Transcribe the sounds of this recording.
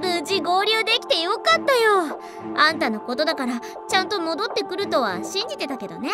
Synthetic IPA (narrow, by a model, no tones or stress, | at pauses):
ɯɯʑiɡo̞ːɾʲɯːd̪e̞kʲi̥t̪e̞jokat̪ːajo̞ | ãnt̪ano̞ko̞t̪o̞d̪akaɾa | t͡ɕãnt̪o̞mo̞d̪o̞t̪ːe̞kɯ̟ɾɯ̟t̪o̞β̞aɕĩɲ̟d͡ʑit̪e̞t̪ake̞d̪o̞̰ne̞